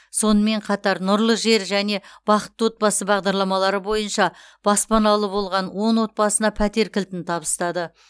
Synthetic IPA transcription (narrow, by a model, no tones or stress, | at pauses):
so̞nəme̞ɴqʰɑt̪ɑɾnʊɾlˠəʒe̞ɾʒæne̞b̥ɑqə̥t̪ːwo̞t̪̚bɑsəbɑʁd̪ɑɾlˠɑmɑlˠɑɾəbo̞jənʃɑ | b̥ɑspɑnɑlˠəbo̞lˠʁɑnwo̞ɴwo̞t̪̚bɑsənɑpʰæt̪e̞ɾkʲɪlt̪ɪnt̪ʰɑbəst̪ɑd̪ə